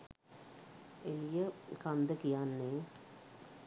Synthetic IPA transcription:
elijəkand̪əkijanːe

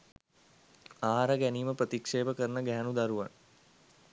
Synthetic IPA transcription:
aːɦaɾəɡæniːməprət̪ikʂeːbəkəɾənəɡæɦænud̪aɾuʋa̰n

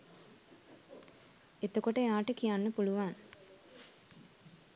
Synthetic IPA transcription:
et̪okoʈəjaːʈəkijanːəpuluʋaŋ

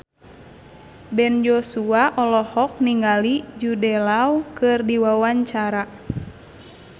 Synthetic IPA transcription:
bɛnjɔsuaʔɔlɔhɔk̚niŋalid͡ʒudɛlawkɨrdiwawaɲt͡ʃaɾa

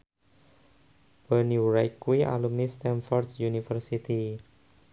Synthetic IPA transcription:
b̥əniuɾajkːuiʔa̰lumnist̪ɛnfɔrd̪sjunifərsit̪i

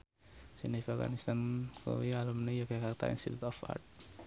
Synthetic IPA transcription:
sinifɔɡa̰nist̪anko̰wialumnəjaɡakart̪a̰ḭnst̪it̪ut̪ɔfa̰rt̪̚

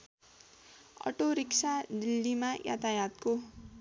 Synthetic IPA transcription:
ʌ̰ʈoɾiksad̪ilːimaja̰t̪ajat̪̚ko

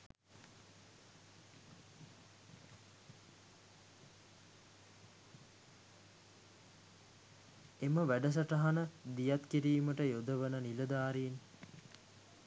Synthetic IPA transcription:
eməʋæɖəs̬ɐʈɐɦanəd̪ijat̪kiɾiːməʈəjod̪əʋənəniləd̪aːɾin

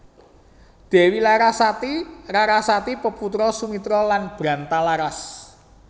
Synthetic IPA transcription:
d̪̥e̤wilaɾasat̪iraɾasat̪ipəput̪ɾɔsumit̪ɾɔlanb̥ɾa̤nt̪alaɾas

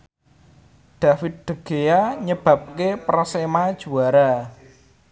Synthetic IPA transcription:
d̪̥a̤fɪt̪̚d̪̥ə̤ɡ̥ejaɲəb̥ä̤p̚kepərsemad̥ʒ̥ṳaɾa

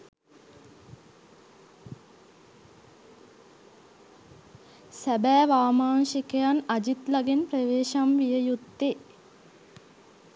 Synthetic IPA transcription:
sæbæːʋaːmaːŋʃikəjanad͡ʒit̪laɡenprəʋeːʃamʋijəjut̪ːe

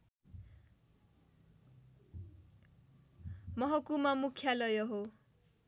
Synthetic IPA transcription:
mʌɦʌkumamukʰjalʌjʌɦo

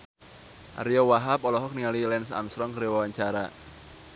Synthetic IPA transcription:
ʔa̰ɾiɔwaɦapɔlɔɦɔk̚niŋalilɛnsa̰msɾɔŋkəɾewawaɲt͡ʃaɾa̰

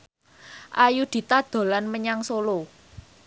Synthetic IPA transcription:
ʔajud̪̥i̤t̪ad̪̥o̤lanməɲaŋsolo

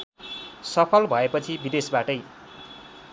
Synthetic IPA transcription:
sʌpʰʌlbʱʌepʌt͡sʰibid̪esbaʈʌj

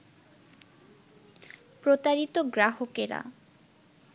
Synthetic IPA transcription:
pɾot̪aɾit̪oɡɾaɦokeɾa̰

